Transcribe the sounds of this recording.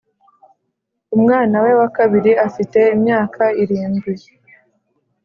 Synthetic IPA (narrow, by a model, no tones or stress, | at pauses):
umŋaːnawe̞wakaβiɾiafite̞imɲaːkʰaiɾiːnɡwi